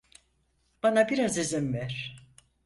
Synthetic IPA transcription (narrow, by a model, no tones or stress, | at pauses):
b̥anabiɾazizimvæɾ̥